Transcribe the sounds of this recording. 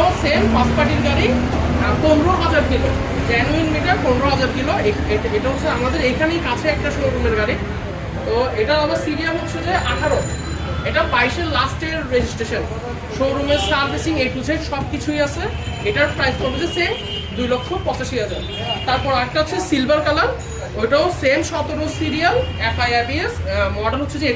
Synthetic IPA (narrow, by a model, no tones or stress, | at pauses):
sempaspaʈiɾɡaɾi | ponɾoɦad͡ʑaɾkʰilo | d͡ʑɛnuinmiʈaɾponɾoɦad͡ʑaɾkʰiloeeeʈaɦotːʰeamad̪eɾekʰanejkat͡ɕʰeɛk̚ʈaʃowɾumeɾɡaɾi | t̪oeʈaabaɾsiɾialɦot̪ːt͡ɕʰed͡ʑaʔaʈʰaɾo | eʈabajʃeɾlasʈeɾɾed͡ʑisʈɾeʃan | ʃowɾumeɾsaɾbʱisiŋeʈud͡ʑʰʱeʈʃɔb̚kit͡ɕʰujat͡ɕʰe | eʈaɾpɾajspoɾbed͡ʑesem | d̪ujlɔkʰːopɔt͡ɕaʃiad͡ʑʰe | t̪aɾpɔɾaɛk̚ʈaɦotːt͡ɕʰesilbaɾkalaɾ | ojʈaosemʃɔt̪oɾumsiɾialɛfajaɾpiesmɔɖaɾɦot̪ːʰed͡ʑee